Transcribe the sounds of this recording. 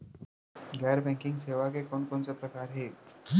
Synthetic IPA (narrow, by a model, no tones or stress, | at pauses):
ɡɛːəɾbɛ̃ŋkɪŋɡseːʋakekɔːnkonsepɾəkaːɾɦe